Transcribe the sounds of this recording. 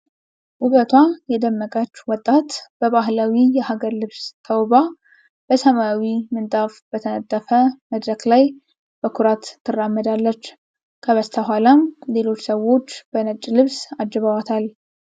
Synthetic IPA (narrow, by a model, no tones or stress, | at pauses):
ʔuβət̪ʰwajɛd̪əmːəkʼət͡ʃːwɔt̪ʼːat̪b̥əβaɦlawijɛhaɡəɾlɨβst̪ʰəwba | b̥əsəmaawimɨnt̪ʼafbət̪ʰənət̪ʼːəfəməd̪ɾəklaj | b̥əkʰuɾat̪ʰːɨrːamːəd̪alːət͡ʃː | kʰəβəst̪ʰəɦʷalamle̞lo̞t͡ʃːsəwo̞t͡ʃːb̥ənət͡ʃʼːlɨβsad͡ʒːɛβawat̪ʰal